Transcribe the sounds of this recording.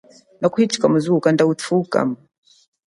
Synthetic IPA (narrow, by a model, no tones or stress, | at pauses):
nakuhit͡ʃi̥kamuzukandautʰuka̰m